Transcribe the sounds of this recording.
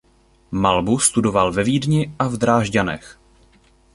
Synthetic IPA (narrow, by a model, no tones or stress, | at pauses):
malbust̪udo̞valvɛviːdɲɪʔavd̪ɾaːʒɟanɛ̰x